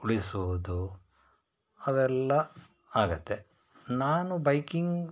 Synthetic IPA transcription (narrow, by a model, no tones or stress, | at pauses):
uɭisuʋud̪u | ɐʋɛlːɐ | aːɡɐt̪ːe̞ | naːnubɐjkiŋɡ